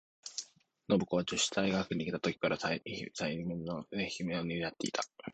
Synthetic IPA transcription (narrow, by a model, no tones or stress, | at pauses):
no̞bɯ̟ko̞βad͡ʑoɕi̥t̪aiɡakɯ̟ɲ̟ʲikʲet̪at̪o̞kʲi̥kaɾʔat̪aiminːoɡakɯd̪eçimeoɲʲijat̪ːe̞it̪ʰḁ